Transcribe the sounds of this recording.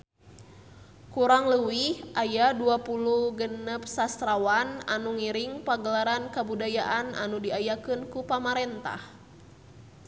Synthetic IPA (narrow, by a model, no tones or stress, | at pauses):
kuɾaŋləwihʔajaduapuluhɡənəp̚sast̪ɾawana̰nuŋiɾiŋpaɡəlaɾankabudajaʔana̰nudiajakɨnkupamaɾɛnt̪a̰h